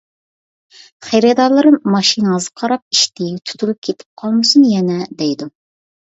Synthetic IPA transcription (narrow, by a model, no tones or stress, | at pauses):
χeɾed̪ɑlˠɨɾɨmːɑʃinzəqʰɑɾɑp̚iʃt̪ɪjt̪ʰu̥t̪ʰulup̚kʲʰet̪ʰɪ̥p̚qʰɑlˠmɨsunjɛnɛd̪ɛjd̪u